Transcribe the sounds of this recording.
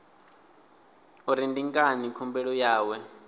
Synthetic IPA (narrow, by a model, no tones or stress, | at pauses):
uɾindiŋkʼanikʰɔmbɛɺɔjaːwɛ